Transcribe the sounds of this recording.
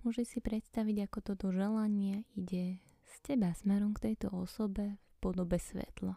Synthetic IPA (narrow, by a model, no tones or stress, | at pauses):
mʊɔʒɛsipɾɛt̪st̪aʋiɟakɔt̪ɔt̪ɔʒɛlaɲɪɛiɟɛ | scɛbasmɛɾɔmkt̪ɛjt̪ɔɔsɔbɛfpɔd̪ɔbɛsʋɛ̰t̪la